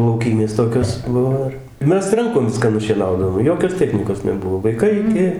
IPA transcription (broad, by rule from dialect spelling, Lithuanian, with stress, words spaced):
lˠɐʊˈkʲiːmʲeːs ˈtoːkʲoːs ˈbʊʋoː ɪr ɪ ˈmʲɛs ˈrɐŋkoːm ˈʋʲɪskɑː nʊʃʲiɛˈnɐʊdɐʋoːm ˈjoːkʲoːs ˈtʲæːxʲnʲiːkoːs nʲɛˈbʊʋoː ʋɐɪˈkɐɪ ɪˈkʲɪ